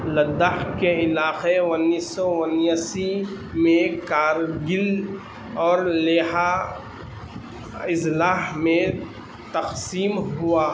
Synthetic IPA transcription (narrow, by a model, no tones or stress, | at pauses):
ləd̪aɦkeɪlaːqeənːisːɔwənjəsi | mẽkaːɾɡɪl | ɔːɾleːɦa | ɪslaːɦmẽ | t̪ɐqsiːmɦʊaː